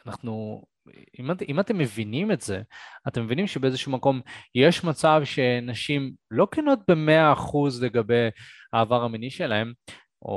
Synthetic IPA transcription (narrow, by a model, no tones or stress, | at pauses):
anaχnu | imimat̪emːe̞vinime̞tze̞at̪e̞mːe̞vinimʃebeezeʃumako̞mjeʃmat͡savʃe̞naʃimlo̞keno̞t̪̚be̞me̞aːχuzle̞ɡabe̞jhaːvaʁaminiʃe̞lae̞m | ʔo̰